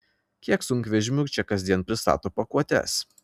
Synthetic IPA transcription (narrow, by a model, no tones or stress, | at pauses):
kʲiɛksʊŋʲkʲʋʲɛʒʲɪmʲuːt͡ʃʲɛkɐzʲd̪ʲiɛnpʲɾʲɪst̪ɑ̰ːt̪oːpɐkuɔt̪ʲɛ̰s